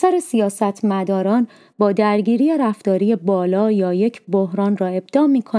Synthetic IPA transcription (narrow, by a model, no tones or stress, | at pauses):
sæɾesijɒːsæt̪ʰmæd̪ɒːɾɒːn | bɒːd̪æɾɟiːɾijeɾæft̪ɒːɾije̞bɒːlɒːjɒːje̞cʰbohɾɒːnrɒːe̞b̥̚d̪ɒːmiːkʰo